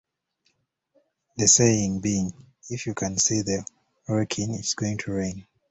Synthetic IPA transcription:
ðəseĩŋbiɪ̃ŋ | ifjukʰãnsiðə | ɹɛkʰĩŋitsɡ̥oĩŋtʰuɹẽn

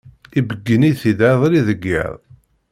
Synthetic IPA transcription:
ibəɡːəniθid̪aðˤɾiðəɡːḭðˤ

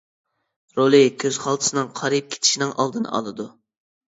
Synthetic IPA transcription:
ɾolˠɨkʲʰøz̥χɑlˠt̪ʰɨ̥sɨnɨŋqʰɑɾip̚kʲʰe̥t̪ʰɪ̥ʃinɪŋʔɑ̰lˠd̪ɨn̰ɑ̰lˠɨd̪u

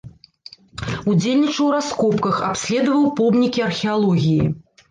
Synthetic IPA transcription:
ud͡zʲelʲnʲit͡ʂɐwɾaskɔpkɐxa̰psʲlʲɛd̪ɐvɐwpɔbnʲikʲiɐrxʲɛalˠɔɣʲijḭ

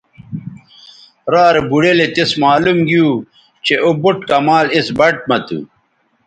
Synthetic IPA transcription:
ɾaːɾebuɽelet̪ismaːlumɡiuː | t͡ɕeʔobuʈkɐmaːlisbɐʈ̚mɐt̪ṵ

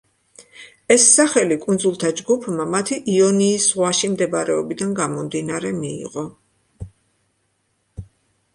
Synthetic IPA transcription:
ɛsːaχɛlikʼund̪zulˠt̪ʰad͡ʒɡupʰmamat̪ʰiʔiɔniːsʁwaʃimd̪ɛbaɾɛɔbid̪anɡamɔmd̪inaɾɛmḭːʁɔ

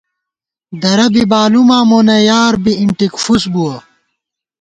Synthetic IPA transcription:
d̪ɐɾɐbibaːlumaːmonɐjaːɾbiiɳʈikfusbuɐ

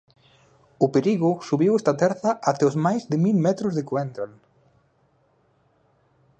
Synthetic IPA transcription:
ʊpeɾiɣʊsuβiwɛst̪at̪ɛɾθɐʔat̪ɛozmajzðɪmilmɛt̪ɾʊzðekwɛnd̪ɾal

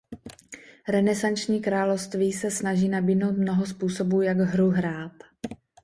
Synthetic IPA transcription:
ɾɛnɛsant͡ʃɲiːkɾaːlofst̪viːsɛsnaʒiːnabiːdno̞wt̪mno̞ɦos̬puːso̞buːjaɡɦɾuɦɾaːt̪

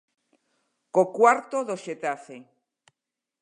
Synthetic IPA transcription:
kokwaɾt̪oðoʃet̪afe

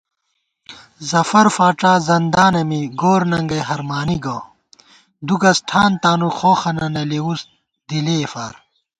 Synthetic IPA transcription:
zɐfɐɾfaːʈ͡ʂaːzɐnd̪aːnɐmiɡoːɾnɐŋɡɐjɦɐɾmaːniɡɐ | d̪uɡɐsʈʰaːnt̪aːnuxoːxɐnɐnɐlewus | d̪ileːfa̰ːɾ

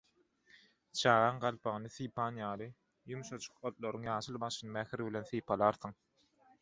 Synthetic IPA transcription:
t͡ʃʰɑːʁɑːɴɢɑlˠpʰɑʁɯnɯθiːpʰɑːnjɑːlˠɯ | jumuʃɑt͡ʃʰu̥qot̪̚lˠoɾɯŋjɑːʃɯlˠbɑʃɯnɯmæxɾβilʲe̞nθiːpʰɑlˠɑːɾθɯŋ

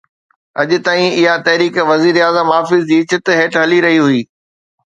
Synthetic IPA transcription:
ɐ̰ʄʊ̆t̪aːĩɪɦat̪ɐɦɾiːkʋɐziːɾaːzəmaːfɪzd͡ʑiːt͡ɕɪt̪ɦeːʈɦɐliɾɐɦiɦuiː

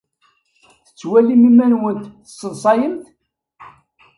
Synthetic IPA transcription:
θət͡sːwælimimænwənt̪θsːəðsˤɑjəmt̪

